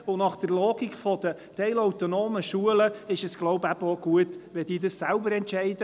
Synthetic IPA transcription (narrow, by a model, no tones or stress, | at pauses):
ʊnɑχd̥əɾlɔːɡ̥ikfɔd̥̪ət̪ɛɪlɔwt̪ɔnoːməʃuələɪʃəsɡ̥loʊbæb̥əoɡ̥uətʋɛd̥̪iːdəssælbəɾɛntt͡ʃɛɪd̥ə